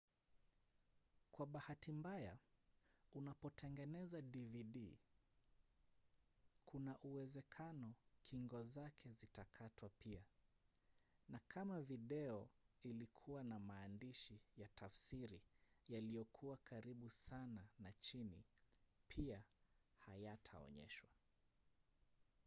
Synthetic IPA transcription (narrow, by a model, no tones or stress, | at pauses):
kwaɓahatimbaja | unapɔtɛŋɡɛnɛzaɗiviɗi | kʰunaʔuwɛzɛkʰanɔkʰiŋɡɔzakʰɛzitakʰatwapia | nakʰamaviɗɛɔilikʰuwanamaːndiʃijatʰafsiɾijalijɔkʰuwakʰaɾiɓusananat͡ʃinḭpʰiahajatʰa̰ɔ̰ɲɛ̰ʃwa